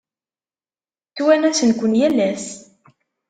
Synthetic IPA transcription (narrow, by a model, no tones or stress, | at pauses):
t͡sːwænæsənkʷənjælːæs